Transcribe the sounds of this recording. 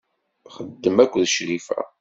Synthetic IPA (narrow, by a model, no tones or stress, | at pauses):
χəd̪ːəmækʷːðʃɾifæ̰